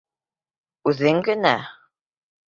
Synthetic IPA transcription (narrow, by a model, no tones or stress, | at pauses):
ʉðɘŋɡɘ̆næ